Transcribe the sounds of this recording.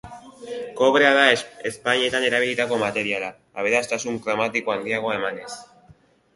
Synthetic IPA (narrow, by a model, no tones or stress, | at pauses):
ko̞βɾe̞aðaeespaɲie̞t̪ane̞ɾaβilit̪ako̞mat̪e̞ɾiala | aβe̞ɾast̪asuŋkɾamat̪iko̞and̪iaɣ̞o̞e̞mane̞s